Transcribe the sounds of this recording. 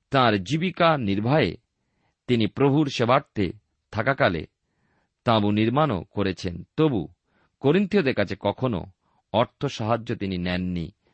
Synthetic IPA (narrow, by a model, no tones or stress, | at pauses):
t̪ãɾd͡ʑibikaniɾbʱaḛ | t̪inipɾobʱuɾʃebʱaɾt̪e | t̪ʰakakalḛ | t̪ãbuniɾmano̰koɾet͡ɕʰent̪obu | koɾint̪iod̪eɾkat͡ɕʰekɔkʰono̰ | ɔɾt̪ʰoʃaɦad͡ʑːot̪ininɛnːḭ